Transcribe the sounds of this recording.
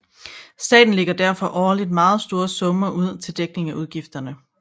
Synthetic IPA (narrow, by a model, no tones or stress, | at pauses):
sd̥ɛ̰ːd̥n̩le̝ɡ̥ɐd̥æɐfɒ̽ʔɒːlid̥̚mɑ̈ːð̞̩ˠsd̥o̝ːɐsɔ̽mɐʔuð̞̰ˠt͡sʰe̝ld̥eɡ̥ne̝ŋæʔuð̞ˠɡ̥ifd̥ɐnə